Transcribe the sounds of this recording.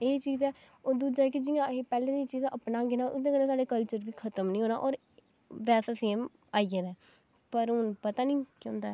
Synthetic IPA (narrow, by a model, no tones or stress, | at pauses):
eːt͡ʃiːzɛː | od̪uːd͡ʒaːɛːkɪd͡ʒɪjãːepɛːlẽːd̪iːt͡ʃiːzəpnaːɡɪnaːʔʊd̪ẽːkəneːsaːɽeːkəlt͡ʃəɾʋiːkʰət̪əmnĩːɦoːnaːʔɔːɾ | ʋɛːsaseːm | aːiəɾɛː | pəɾɦʊnpət̪aːnĩːkːõːnd̪aɛ